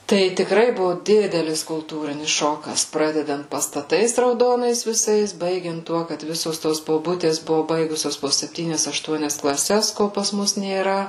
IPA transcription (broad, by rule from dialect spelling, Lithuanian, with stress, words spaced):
tɐɪ tʲɪkˈrɐɪ ˈbʊʋoː ˈdʲɪdʲɛlʲɪs kʊlˠˈtuːrʲɪnʲɪs ˈʃoːkɐs ˈprɑːdʲɛdɐnt pɐstɐˈtɐɪs rɐʊˈdoːnɐɪs ʋʲɪˈsɐɪs ˈbɐɪɡʲɛnt ˈtuɔ kɐt ˈʋʲɪsoːs ˈtoːs boːˈbʊtʲeːs ˈbʊʋoː ˈbɐɪɡʊsʲoːs poː sʲɛpʲˈtʲiːnʲɛs ɐʃˈtuɔnʲɛs klˠɐˈsʲɛs ˈkoː pɐs ˈmʊs nʲeːˈrɐ